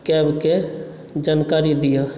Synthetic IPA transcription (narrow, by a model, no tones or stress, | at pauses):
kɛːbke | d͡ʒankaːɾid̪ɪja